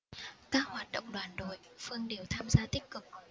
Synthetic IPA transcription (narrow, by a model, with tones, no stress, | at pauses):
kaː˦˥k̚hwaː˨˩t̚ɗə̰˧˨wŋ͡mɗwaː˨˩nɗo˨˩j | fɨ˧əŋɗe˨˩wt̪ʰaː˧mzaː˧t̪ï˦˥k̚kɨ˨˩k̚